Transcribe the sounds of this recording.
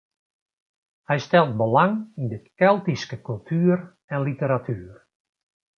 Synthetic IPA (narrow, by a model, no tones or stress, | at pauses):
hɛjstɛlˠt̚bəlaŋindɪtkɛlˠtiskəkylˠtʰyːər | ɛnlitəɾatʰyːər